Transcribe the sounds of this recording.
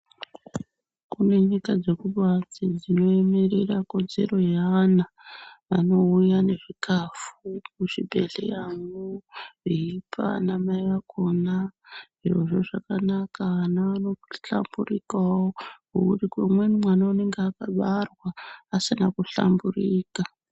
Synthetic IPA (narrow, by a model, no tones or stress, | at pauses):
kune̞ɲikad͡ze̞kuɓad͡zid͡zino̞eme̞rerakonze̞̰ɾo̞jaana | ʋano̞ujane̞ʐikafukuʂibʱe̞ɮe̞̰jaŋuiipʰa̰namaiʋako̞naʐiʐo̞ʐo̞ʐakanakaʋanaʋano̞ɬa̰mburikawoko̰kutikemwenimwanaune̞ŋɡeakaɓarwaːsinakuɬa̰mburiːka